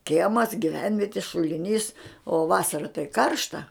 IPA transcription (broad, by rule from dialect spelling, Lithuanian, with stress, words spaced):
ˈkʲiɛmɐs ɡʲɪˈʋʲɛnʲʋʲiɛtʲɪ ʃʊlʲɪˈnʲiːs oː ˈʋɑːsɐrɐ tɐɪ ˈkɐrʃtɐ